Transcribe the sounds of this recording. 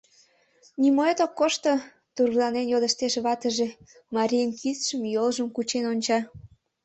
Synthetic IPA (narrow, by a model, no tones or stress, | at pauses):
nimoet̪okːoʃt̪o | t̪urɣlɑnenjod̪əʃt̪eʃβɑt̪əʒe | mɑɾʲijənkʰisʃəmjolʒəmkut͡ɕenonʲt͡ɕɑ